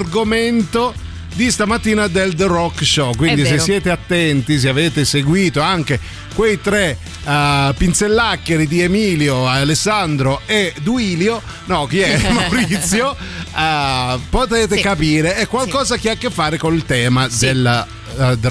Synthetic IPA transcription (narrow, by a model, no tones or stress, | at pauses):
rɡoment̪o | d̪ist̪amat̪ːiːnad̪eld̪rɔkːʃɔkwind̪is̬esːjɛːt̪eat̪ːɛnt̪is̬eaveːt̪eseɡwiːt̪oaŋk̟e | kwejt̪ɾe | pːint̪selːakːeɾid̪iemiːljoalesand̪ɾoed̪uiːljo | nɔkiɛmawɾit̪sːjo | pot̪eːt̪ekapiːɾeɛkːwalkɔːzak̟iakːefːaːɾekonilt̪ɛːmad̪el | d̪